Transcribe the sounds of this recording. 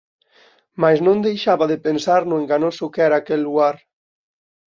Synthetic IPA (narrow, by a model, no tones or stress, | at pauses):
majznõnd̪ejʃaβaðepensaɾnueŋɡanosokɛɾaːkɛlːuɣaɾ